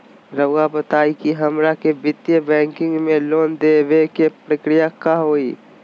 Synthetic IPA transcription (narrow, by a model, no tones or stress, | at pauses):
ɾəʋɡabət̪aːikiɦɐmɾakebɪt̪jebɛ̃ːŋkɪ̃ŋɡmẽloːnd̪eʋekepɾəkɾɪjakaɦoːiː